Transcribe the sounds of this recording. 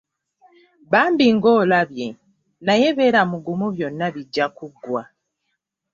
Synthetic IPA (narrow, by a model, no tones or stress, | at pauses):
βaːmbiŋɡo̞ːlaβje | naje̞βe̞ːɾamuɡumuβjo̞nːaβiɟːakuɡːwa